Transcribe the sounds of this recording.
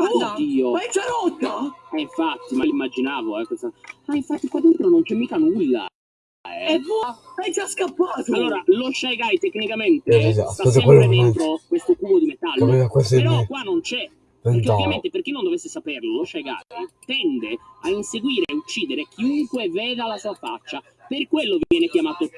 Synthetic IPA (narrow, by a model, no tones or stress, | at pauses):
ɔd̪iːoɛd͡ʒaɾɔt̪ːaaiɱfat̪ːimalimːad͡ʒinaːvoɛkːosamaiɱfat̪ːikwad̪ent̪ɾonont͡ʃɛmːiːkanulːa̰ | ɛɛvuajd͡ʒaskapːaːt̪alːoːɾaloʃːajɡajt̪ekːnikament̪esisasaaseweleent̪ɾokwest̪okuːɡod̪imet̪alːɛakwaseɾɔkːwanːont͡ʃɛ | peeɾkeovjament̪eperk̟inːond̪ovesːesaperloloʃːajɡa̰jt̪ɛnd̪eainseɡwiːɾeaut͡ʃːiːd̪eɾek̟ʰiuŋkwevɛːðalasuːafa̰t͡ʃːa | perkwelːovivjɛːnek̟jamaːt̪o